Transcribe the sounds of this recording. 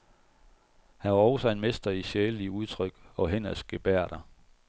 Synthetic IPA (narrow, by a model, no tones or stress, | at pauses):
hænʋɑ̈ɒʊsɒe̝nmesd̥ɐiɕeːliuð̞ˠt͡sʰʁœɡ̥ɒ̽ɦen̰ɐsɡ̥eb̥æɐ̰ɾ̥ɐ